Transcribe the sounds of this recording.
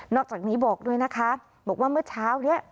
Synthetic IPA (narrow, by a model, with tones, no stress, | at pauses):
nɔː˥˩k̚t͡ɕaː˨˩niː˦˥bɔː˨˩k̚du˧˩əjna˦˥kʰa˦˥ | bɔː˨˩k̚waː˥˩mɯ˥˩ɐt͡ɕʰaː˦˥wni˦˥˩ɐʔ